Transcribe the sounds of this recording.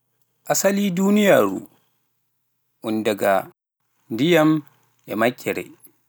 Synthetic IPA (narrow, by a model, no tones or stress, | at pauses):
ʔasaliːduːnijaːɾṵ | ʔundaɡa | ndijam | jɛmakʲʰːɛɾɛ̰